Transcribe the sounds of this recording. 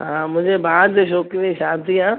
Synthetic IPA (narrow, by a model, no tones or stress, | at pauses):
ɦãːmʊ̃ɦɪ̃ɲd͡ʑebʱaːd̪eʃ̬oːkiẽʃãːd̪iãː